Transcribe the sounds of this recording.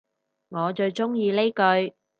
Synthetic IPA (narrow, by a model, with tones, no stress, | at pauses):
ŋɔː˨˧t͡ʃɵ˧ɥt͡ʃʊ˥ŋjiː˧le˥jkɵ˧ɥ